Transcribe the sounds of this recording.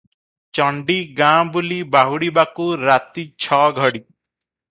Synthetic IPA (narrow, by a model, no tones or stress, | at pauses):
t͡ʃɔɳɖiɡãbulibaɦuɽibakuɾat̪it͡ʃʰɔɡʱɔɽi